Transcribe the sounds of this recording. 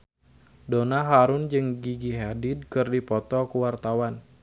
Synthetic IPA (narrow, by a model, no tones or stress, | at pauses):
donaɦaɾʊnd͡ʒɨŋɡiɡiɦadɪd̚kɨrdipɔt̪ɔkuwart̪awan